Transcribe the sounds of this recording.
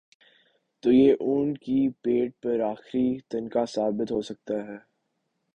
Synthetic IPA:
t̪oːjeːʔũːɳɖkipeːʈ̚pɐɾaːxɾit̪ɐnkasaːbɪt̪ɦoːsɐk̚t̪aɦɛː

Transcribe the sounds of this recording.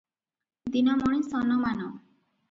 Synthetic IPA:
d̪inɔmɔɽ̃isɔnɔmanɔ

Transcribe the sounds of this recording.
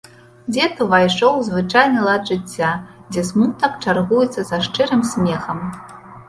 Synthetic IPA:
d͡zʲɛt̪ɨvajʂɔwzvɨt͡ʂajnɐlˠad̪ʐɨt͡sʲːad͡zʲɛsmut̪̚nɐp̚t͡ʂarɣujɛt̪sːɐzɐʂt͡ʂɨɾɨmsʲmʲɛxɐm

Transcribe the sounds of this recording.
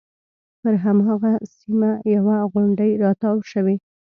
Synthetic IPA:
pəɾɦamɑɣasimajawaɣʊɳɖəjɾɑt̪ɑwʃəwe

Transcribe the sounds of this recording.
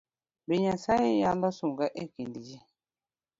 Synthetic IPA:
beɲasaijalɔsuŋɡaʔekindid͡ʒi

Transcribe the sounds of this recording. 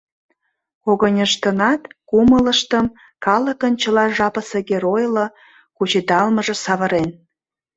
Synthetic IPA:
koɣənʲəʃt̪ənɑt̪kumələʃt̪əm | kɑləkənt͡ɕəlɑʒɑpəseɣeɾojlo | kut͡ɕet̪ɑlməʒə̆sɑβə̆ɾen

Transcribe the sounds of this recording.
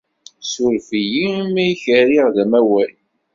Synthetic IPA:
suɾfijimæjçəɾiʁðæmæwæl

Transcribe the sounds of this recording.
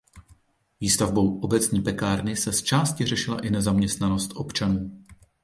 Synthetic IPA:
viːst̪avbo̞wʔo̞bɛt͡sɲiːpɛkaːɾnɪsɛst͡ʃaːscɪr̝ɛʃɪla̰ʔɪnɛzamɲɛst̪nano̞st̪ʔo̞pt͡ʃanuː

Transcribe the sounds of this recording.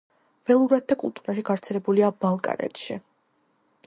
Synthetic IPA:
v̥ɛlˠuɾad̪̚d̪akʼṵlˠt̪ʼuɾaʃiɡavɾt̪sʰɛlɛbuliabalˠkʼa̰ɾɛ̰t̪ʃi

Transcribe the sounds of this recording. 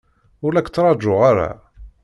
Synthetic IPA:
ʊlækt͡sːɾˤɑd͡ʒːʊʁaɾa̰

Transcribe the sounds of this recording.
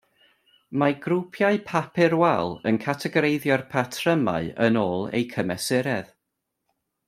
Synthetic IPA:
maɡrupʰjaɨpʰapʰɪɾwɛlˠənkʰatʰɛɡɾejðjɔrpʰatʰrəma̰ɨənoːlˠḛjkʰəmɛsɪɾɛð

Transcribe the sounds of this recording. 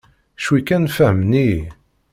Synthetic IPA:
ʃwikːænfæhmni

